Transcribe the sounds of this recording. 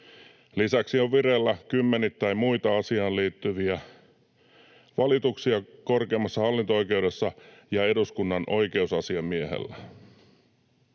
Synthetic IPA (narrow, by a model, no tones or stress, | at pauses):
lisæksio̞ʋʋiɾelːækymːe̞nit̪ːæjmuit̪ɑɑsiɑːnliːt̪ːyʋiæ | ʋɑlit̪uksiɑko̞rke̞ːmːɑsːɑhɑlːint̪oojk̟e̞wdesːɑjɑe̞duskunːɑnʔo̞jke̞usɑsiɑmːieɦḛlːæ